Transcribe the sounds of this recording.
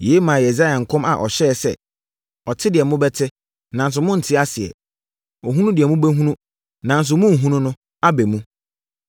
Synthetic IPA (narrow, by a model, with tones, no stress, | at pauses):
je˨˦mãː˨jɛ˨za˦ja˨ŋ̩˨kʰʊ̃˦ma˨ʔɔ̰˨ɕɛ˦˨sɛ̰˦ | ɔ˨tʰɪ˦dɪ˨ɛ˨mʊ̃˦bɛ˦tʰɪ˦ | nã˨n˦s̬ʊ˨mʊ̃˦n̩˨tʰɪ˦a˦sɪ˨ɛ̰˨ | ɔ˨ɦũ˦nũ˦dɪ˨ɛ˨mũ˦bæ˦ɦũ˦nũ˦ | nã˨n˦s̬ʊ˨mʊ̃˦˨ɦũ˦nʊ̃˦nʊ̃˦ | a˦bɛ˨mũ˦